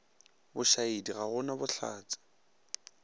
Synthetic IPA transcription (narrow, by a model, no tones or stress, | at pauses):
bʊʃaidiɣaɣʊnabʊɬʰa̰ːt͡sɪ̥